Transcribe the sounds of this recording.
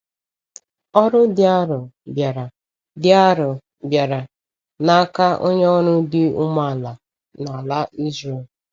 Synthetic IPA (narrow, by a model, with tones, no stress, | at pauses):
ɔ˦ɾʊ˦dɪ˦a˦ɾʊ˨bja˨ɾa˨ | dɪ˦a˦ɾʊ˨ | bja˨ɾa˨ | na˦a˦ka˦ʔo̰˦ɲe˦ɔ˦ɾʊ˦dɪ˦ʊ˦ma˦˨la˨ | na˨la˦ʔi˦zɾe˨